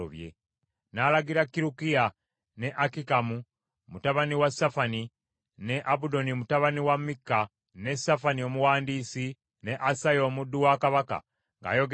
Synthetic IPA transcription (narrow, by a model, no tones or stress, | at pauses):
o̰βjḛ | nalaɡiɾakːiɾukija | ne̞ʔakikamu | mutaβaniwasafani | ne̞ʔabudo̞nimutaβaniwamikːa | ne̞safanio̞muwaːndiːsi | ne̞ʔasajo̞ːmudːuwakaβaka̰ | ŋɡa̰ːjo̞ɡ